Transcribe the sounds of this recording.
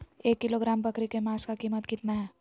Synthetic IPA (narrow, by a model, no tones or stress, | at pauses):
eːkːɪloɡɾaːmbɐkɾikemaːskakiːmət̪kɪt̪naɦɛː